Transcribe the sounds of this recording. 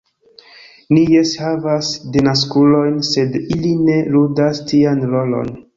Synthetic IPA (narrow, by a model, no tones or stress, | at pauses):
nijeshavasdenas̬kulo̞jnse̞diline̞ludastianɾo̞lo̞̰n